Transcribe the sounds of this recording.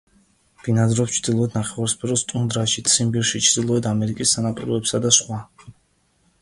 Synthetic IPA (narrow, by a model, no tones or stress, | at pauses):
v̥inad̪ɾɔpt͡ʃʰɾd̪ilˠɔɛt̪ʰnaχɛvaɾspʰɛɾɔst̪ʼund̪ɾaʃit̪sʰimbiɾʃit͡ʃʰɾd̪ilˠɔɛd̪ʰamɛɾikʼisːanapʼiɾɔɛpsad̪asχwa